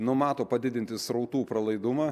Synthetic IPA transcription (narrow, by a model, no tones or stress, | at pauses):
nʊmɑːt̪oːpɐd̪ʲɪd̪ʲɪnʲt̪ʲɪsɾɐʊt̪uːpɾɐlˠɐɪd̪ʊmɑː